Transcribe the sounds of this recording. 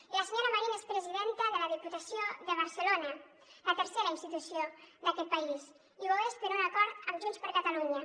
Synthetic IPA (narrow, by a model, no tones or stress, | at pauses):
ləsəɲoɾəmaɾinaespɾəziðent̪əðələð̞iput̪əsijoðəβ̞əɾsəlonə | lət̪əɾseɾainst̪it̪usijod̪əkɛt̪̚pais | iβoest̪ənunakɔɾt̪əmʒunspəɾkat̪aluɲə